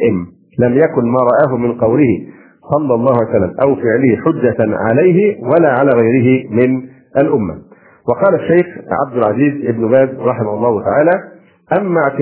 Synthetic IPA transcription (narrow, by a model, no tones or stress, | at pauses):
ʔɪm | lamjakʊnmaːɾˤɑʔaːɦʊmɪnqɑwlɪhɪ | sˤɑlːɑlˤːɑːhʊʕajsalːa̰mʔawfɪʕlɪhɪħʊd͡ʒːaʕa̰lajɦɪwalaːʕalaːɣajɾɪɦɪmɪn | ʔalʔʊmːa̰ | wɑqɑːlaʃːajxʕa̰b̚d̪ʊlʕaziːzʔɪbnʊbæːd̪ɾˤɑħɪmahʊlˤːɑːhʊt̪aʕaːlaː | ʔamːaʕt̪ɪ